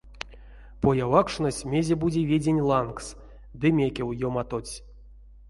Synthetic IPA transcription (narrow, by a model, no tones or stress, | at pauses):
pojavakʂnosʲmʲe̞zʲebud͡zʲevʲed͡zʲenʲlˠanks | d̪ɨmʲekʲewjomat̪ot͡sʲ